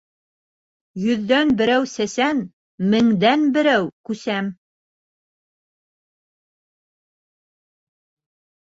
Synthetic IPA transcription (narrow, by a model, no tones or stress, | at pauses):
jɵ̆ðːænbɘ̆ɾæwsæsæn | mɘ̆ŋd̪ænbɘ̆ɾæwkʉsæm